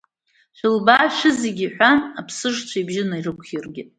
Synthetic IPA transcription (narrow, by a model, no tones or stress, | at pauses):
ʃʷᶣɪlbaːʃʷᶣɪzeɡʲiħʷᶣanapʰsɨʂt͡ɕʷʰaibʒɪnairɨkʷʰχirɡʲɪtʼ